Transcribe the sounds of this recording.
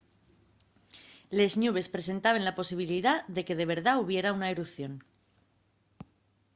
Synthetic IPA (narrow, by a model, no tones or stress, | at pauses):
le̞znuβ̞e̞spɾe̞se̞nt̪aβ̞e̞nlapo̞siβ̞iliðaðe̞ke̞ðe̞β̞e̞ɾðauβ̞je̞ɾaunaeɾupθjo̞n